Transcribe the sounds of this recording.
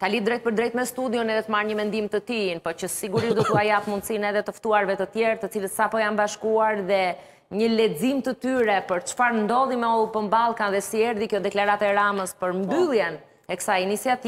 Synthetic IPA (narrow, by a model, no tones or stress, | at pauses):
t̪alid̪ɾɛjt̪̚pəɾd̪ɾɛjt̪mɛst̪ud̪jɔnɛðɛt̪əmaɾɲəmɛnd̪imt̪ət̪inpɔt͡ʃəsiɡuɾiʃd̪ɔt̪uajat̪mund̪sinɛðɛt̪əft̪uaɾvɛt̪ət̪jɛɾt̪ət͡silət̪sapɔjanbaʃkuaɾðɛ | ɲəlɛd͡zimt̪ət̪yɾɛpəɾt͡ʃfaɾnd̪ɔlˠimɛɔpəmbalˠkanðɛsiɛɾðikjɔd̪ɛklaɾat̪ɛːɾaməspəɾmbylˠjɛn | ɛksajinisiat̪i